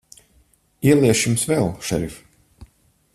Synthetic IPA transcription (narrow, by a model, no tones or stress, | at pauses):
iɛlˠiɛʃjumsvɛlˠʃɛ̰ɾif